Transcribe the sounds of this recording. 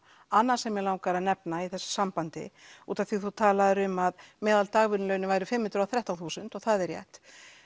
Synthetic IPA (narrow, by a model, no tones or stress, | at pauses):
anːasɛmɛɾlaːwŋkaɾanɛpnaiθɛsːḁsampant̪ɪ̰ṵːt̪aθiθut̪ʰaːlaðɾʏmaðmɛːðalt̪aɣvʏnlœɥnɪvajɾɪfɪmhʏnɾawθɾaht̪awnθuːsʏnt̪ɔɣθaðɛɾjɛ̰ht̪